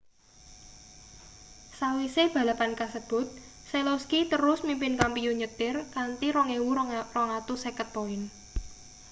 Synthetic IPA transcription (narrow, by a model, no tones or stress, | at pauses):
sawiseb̥ä̤lapankasəb̥ʊ̤t̪̚ | seloskit̪əɾʊsmimpɪnkampijuɲət̪ɪrkant̪iɾɔŋewurɔŋat̪usekət̪̚ːoɪn